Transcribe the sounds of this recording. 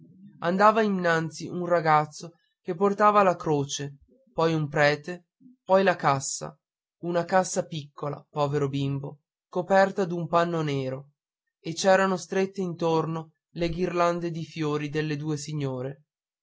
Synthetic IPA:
and̪aːvainːant̪siʔunraɡat̪sːo | kepːort̪aːvalakɾoːt͡ʃe | pɔjumpɾɛːt̪e | pɔjlakasːa̰ | unakasːapikːola̰pɔːveɾobimbo | kopɛrt̪ad̪umpanːoneːɾo | et͡ʃɛːɾanost̪ɾet̪ːeint̪orno | leɡirland̪ed̪ifjoːɾid̪elːed̪uːesiɲːoːɾe

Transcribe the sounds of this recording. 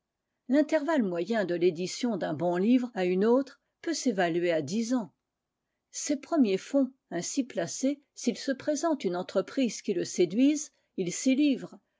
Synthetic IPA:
lɛ̃t̪ɛʁvalmwajɛ̃d̪əled̪isjɔ̃d̪ɛ̃bɔ̃livʁaynot̪χ | pøsevalɥead̪izɑ̃ | sepχəmjefɔ̃ | ɛ̃siplase | silsəpχezɑ̃t̪ynɑ̃t̪χəpχizkʲiləsed̪ɥiz | ilsilivʁ

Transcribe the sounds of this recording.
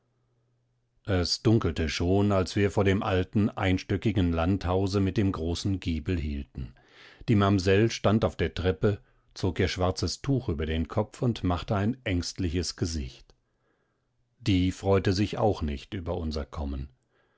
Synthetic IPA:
ʔɛsd̥ʊŋkl̩təʃoːnalsv̥iːɐfoːɐɾeːmʔaltn̩ʔa̰ɪnʃtʏkɪɡŋ̩lanthaʊzəmɪt̚d̥eːmɡʁoːsn̩ɡiːbl̩ɦiːltn̩ | d̥iːmamzɛlʃtantaʊfd̥eːɐtʁ̥ɛpə | t͡soːkʔiːɐʃv̥aɐt͡səstʰuːxʔyːbɐdeːnkʰɔp͡fʊntmaχtəaɪnʔɛŋstlɪçəsɡ̥əzɪ̰çt | d̥iːfʁ̥ɔʏtəzɪça̰ʊxnɪçtʔyːbɐʔʊnzɐkʰɔmən

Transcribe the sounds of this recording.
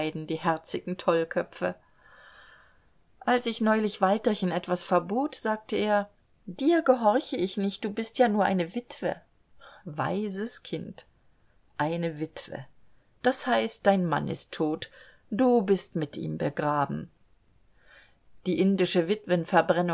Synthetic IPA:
ɪdn̩diːhɛɐt͡sɪɡŋ̩tʰɔlkʰœpfə̰ | ʔalsɪçnɔʏlɪçv̥altɐçənʔɛtv̥asfɛɐboːtz̥aːk̚təeːɐ | d̥iːɐɡəɦɔɐçəɪçnɪçt̚d̥uːbɪstjaːnuːɐʔa̰ɪnəvɪtv̥ə̰ | va̰ɪzəskʰɪnt | ʔaɪnəvɪtv̥ə̰ | d̥ashaɪst̚d̥aɪnma̰nʔɪ̰stʰːoːt | d̥uːbɪstmɪtʔḭːmbəɡʁaːbm̩ | d̥iːʔɪndɪʃəvɪtv̥ənfɛɐbʁɛnʊ

